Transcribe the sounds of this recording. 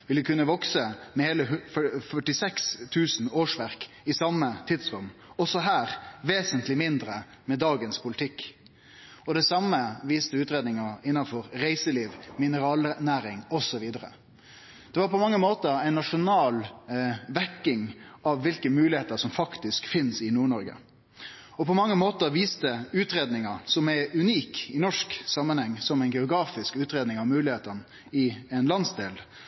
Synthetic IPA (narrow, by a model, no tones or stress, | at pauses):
ʋɪləkʰʉnːəʋɔksəmɛheːləɦfœfœʈɪsɛkst̪ʰʉːsn̩oːʂʋæɾk | ɪsɑmːət̪ʰɪd̪sɾʉmːɔsɔɦæːɾʋeːsənt̪lɪmɪnd̪ɾə | mɛd̪ɑːɡənspʰʊlɪt̪ʰɪkː | ɔd̪ɛsɑməʋiːst̪əʉːt̪ɾeːd̪nɪŋɑɪnːɑnfɔɾɾæɪsəliːʋmɪnəɾɑːlənæːɾɪŋɔsɔʋiːd̪əɾə̰ | d̪̥ɛʋɑːɾpʰɔmɑŋːəmoːt̪əɾæɪnnɑʂʊnɑːlʋækːɪŋʔɑʋːɪlkəmʉːlɪheːt̪əɾʂɔmfɑkt̪ɪskfɪnsɪnuːɳɔɾɡə̰ | ɔpʰɔmɑŋːəmoːt̪əɾʋiːst̪əʉːt̪ɾeːd̪nɪŋɑɾsɔmɛʉniːkɪnɔʂksɑmːənhɛŋːsɔmæɪnɡɛʊɡɾɑːfɪskʉːt̪ɾeːd̪nɪŋɑʋmʉːlɪheːt̪ən | ɪɛnlɑnsd̪eːl